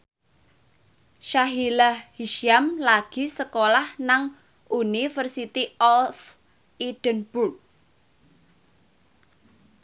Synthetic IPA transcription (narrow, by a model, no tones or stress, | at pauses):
ʃaɦilahhiʃamlaɡ̥i̤səkolahnaŋ | ʔunifərsit̪iɔlf | id̥ənb̥urk̚